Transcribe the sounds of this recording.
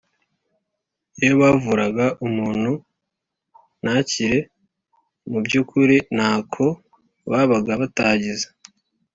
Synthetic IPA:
jejoβavuɾaɡaʔumuːn̥hu | naciɾe̞ | mubɟuːkuɾin̥haːkʰo̞ | βaβaɡaβataːɟizḁ

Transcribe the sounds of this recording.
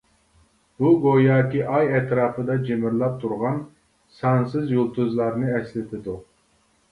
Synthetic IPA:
buɡojɑːkʲiʔɑjɛt̪ʰɾɑːpɨd̪ɑd͡ʒemɪɾlˠɑp̚t̪ʰuɾʁɑn | sɑnsɨzjulˠt̪ʰuzlˠɑɾnɨɛslɪt̪ʰɪd̪u

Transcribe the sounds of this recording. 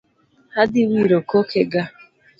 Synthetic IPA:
hadɪwiɾokokʰeɡa

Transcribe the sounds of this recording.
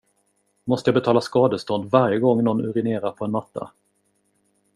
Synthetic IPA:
mɔst̪əjɑːbɛt̪ʰɑːlaskɑːd̪əst̪ɔnd̪vaɾjəɡɔŋːnɔnɵ̰ɾɪneːɾapʰɔɛnmat̪ʰːa̰

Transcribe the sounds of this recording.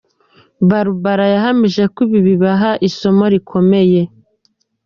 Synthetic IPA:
βaɾuβaɾajaɦamiʒe̞kuβiβiβaɦaʔiso̞moɾikʰo̞me̞je̞

